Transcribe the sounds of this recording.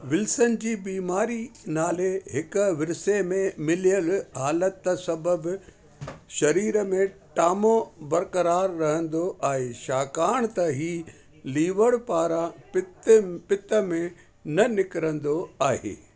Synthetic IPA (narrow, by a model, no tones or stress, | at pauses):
ʋɪlsənɪ̆d͡ʑiːbiːmaːɾinaːleɦɪkʋɪɾɪsemẽmɪlijəlɦaːlət̪ːsɐbəb | ʃɐɾiːɾəmẽʈaːmobɐɾkɐɾaːɾːɐɦə̃nd̪oʔaːɦeːʃaːkaːɽ̃t̪ɐɦiː | liːʋəɽpaːɾãpɪpɪt̪ə̆mẽ | nɐnɪkɪɾə̃nd̪oaːɦḛː